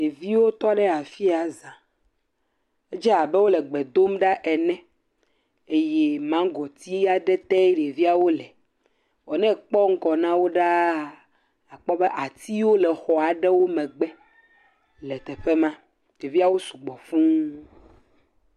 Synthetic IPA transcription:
e˨vi˦wo˦t̪ɔ˦ɖɛ˦a˨fi˦a˨zã˨ | e˦d͡ʒɛ˦a˨bɛ˦wo˦lɛ˨ɡ͡bɛ˨d̪o˦mɖa˦ʔɛ˨nɛ̃˦ | e˦je˦mã˦ɡɔ˨t̪i˦ja˦ɖɛ˦t̪ɛ˦ɖe˨vi˦a˨wo˦lɛ˨ | wɔ˨nɛ̃˦k͡pɔ˦ŋ̩˦kɔ˨nã˦wo˦ɖa˦ | a˨k͡pɔ˦bɛ˦ʔa˨t̪i˦wo˦lɛ˨xɔ˨a˨ɖɛ˦wo˦mɛ̃˨ɡ͡bɛ˦ | lɛ˨t̪ɛ˨ɸe˦mã˦ | e˨vi˦a˦wo˦su˨ɡ͡bɔ˨fũ˦

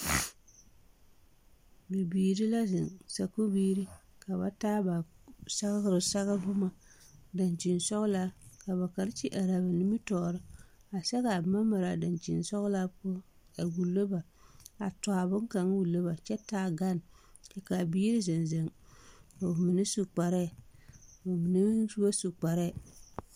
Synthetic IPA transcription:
bi˨biː˨ɾi˦la˦zɪ˨nsa˨ko˦biː˦ɾi˦ka˨βa̰˨taː˦ba˨sa˦ɣɾɨ˨sa˦ɣa˦bʊ˦ma˨da˨nt͡ʃi˨nsɔ˦ɣla˦ka˨ba˨ka˨ɾt͡ʃi˦ʔa˨ɾa˨ba˨ni˦mi˦tɔː˨ɾɨ˦ | a˨sɛ˦ka˨ma˦ma˨ɾa˨da˨nt͡ʃḭ˨nsɔ˦ɣla˦pʊ˦ | a˨wu˨lo˦ba˨ | a̰˨tɔ˨a˨bʊ˦ŋ˦ka˨ŋ˦wu˨lo˦ba˨t͡ʃɛ˦taː˦˨ɡa˦n˨ | ɛ˦ka˨biː˦ɾi˦ze˨nze˨ŋ | o˨mi˨nɪ˦su˨k͡pa˨ɾɛ˦˨ | o˨mi˨ni˦su˦a˦su˨k͡pa˨ɾɛ˦˨

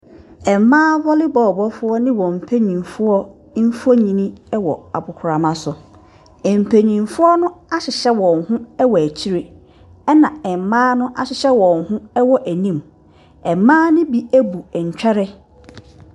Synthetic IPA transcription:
ɛ˨m˨˦mãː˦vɔ˦lɪ˦bɔː˨bɔ˦fʊ˦ɔ˦nɪ̃˦wɔ̃˨m̩˨pʰæ˦ɲĩ˨nfʊ˦ɔ˦ | n̩˦fo˦ɲĩ˨nĩ˦ɛ˦wɔ̰˨a̰˨bʊ˨kʰʊ˨ɾa˨mã˨sʊ˨ | ɛ˨m̩˨pʰæ˨ɲĩ˨nfʊ˦ɔ˦nʊ̃˦a˦ɕɪ˨ɕɛ˦wɔ̃˨ŋhʊ̃˦ɛ˦wɔ˨æ˨t͡ɕʰi˦ɾe˦ | ɛ˦nã˨ɛ˨mãː˦nʊ̃˦ʔa˨ɕɪ˦ɕɛ˦wɔ̃˨ŋhʊ̃˦ɛ˦wɔ˦ʔæ˨nĩ˦m | ɛ˨mːãː˦nʊ̃˦bi˦æ˦bu˨ɛ˨ɲ̩˨t͡ɕᶣɛ˦ɾɛ˦

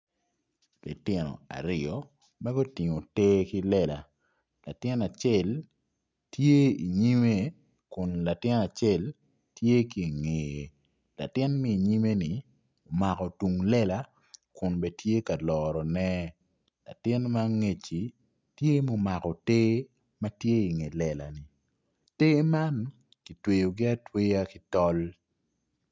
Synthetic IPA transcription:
lɪ̰˨tɪ˨nɔ̰˨a̰˨ɾɪ˨ɔ˨ | mɛ˦ɡɔ˦ti˨ŋo˨te˦ki˦lɛ˦la˨ | la˨tɪ˦na˨t͡ʃɛ˦˨l | tje˦i˨ɲi˦me˦ | kʊ˨nla˨tɪ˦na˨t͡ʃɛ˦˨l | tje˦ki˦e˨ŋe˨je˨ | la̰˨tɪ˦nmi˦i˨ɲi˦me˦nɪ˨ | o˨ma˨kɔ˨tu˨ŋlɛ˦la˦ | kʊ˨nbɛ˨tje˦ka˨lɔːɾɔ˨nɛ˦ | la̰˨tɪ˦nma˦ŋe˨t͡ʃi˨ | tje˦mo˨˦ma˨kɔ˨teː˦ | ma˦tje˦i˨ŋe˨lɛ˨la̰˨ni˨ | te˦ma˦n | ki˨twe˨jo˨ɡɪ˦a˦twe˦ja˦kɪ˦tɔ˦l

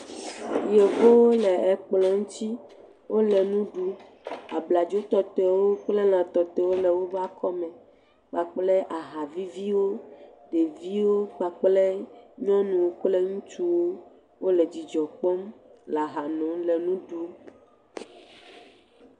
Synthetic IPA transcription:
je˨vo˦wlɛ˨ɛ˨k͡plɔ˨ŋũ˦t̪i˦ | wo˦lɛ˨nũ˦ɖu˨˦ | a˨bla˨d͡ʒo˦t̪ɔ˨t̪ɛ˨wo˦k͡plɛ˦lã˨t̪ɔ˨t̪ɛ˦wo˦lɛ˨wo˦ba˦kɔ˦mɛ̃˨ | k͡pa˨k͡plɛ˦ʔa˨ɦa˨vi˦vi˦wo˦ɖe˨vi˦wo˦k͡pa˨k͡plɛ˦ɲɔ̃˦nũ˨wo˨k͡plɛ˦ŋũ˦t͡ʃu˦wo˦ | wo˦lɛ˨d͡ʑi˨d͡ʒɔ˨k͡pɔ˦mla˨ɦa˨nɔ̃˨lɛ˨nũ˦ɖu˨˦

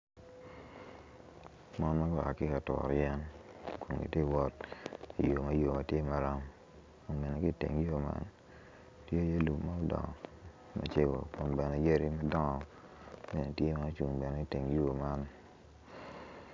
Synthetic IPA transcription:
mɔ˦nma˦kɔ˦a̰˨kɪ˦ka˨tɔ̰˨ɾjɛ˦nko˨ŋɡḭ˨te˦˨˦wɔ˦t̚ḭ˨jo˨ma˦jo˨ma˨tje˦ma˨ɾa˦m | o˦me˨ne˨ki˦˨tḛ˨ŋjo˦ma̰˦n | tje˦je˦lu˨mma˦o˦dɔ̰˨ŋ˨ | mʔa̰˨t͡ʃe˦ɡo̰˨ko˨mbɛ˨ne˨je˦ɾi˦ma˦dɔ˦ŋɔ˨ | me˨ne˨tje˦ma˦t͡ʃu˨ŋbɛ˨n˨i˦˨te˨ŋjo˦˨ma˦n

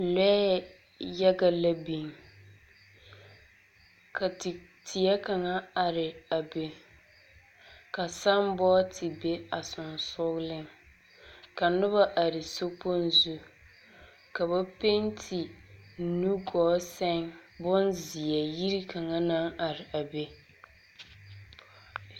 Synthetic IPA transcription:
lɛ˦ | jɛ˦ɡa˦la˦bi˨ŋ | ka˨tɪ˨tʰɪ˨ɛ˦ka˨ŋa˦a˨ɾɪ˨a˨be˨ | ka˨sa˦mbɔː˦tʰɪ˨be˦a˨sʊ˨nsʊ˦ɣlɪ˦ŋ | ka˨nʊ˦βa˦ʔa˨ɾɪ˨so˦po˦n˦zu˦ | ka˨βa˦pe˦ntʰɪ˨˦nu˦ɡɔː˨˦sɛ˦ŋbʊ˦nzɪ˨ɛ˨ji˦ɾi˦ka˨ŋa˦na˦ŋa˨ɾɪ˨ʔa˨be˦

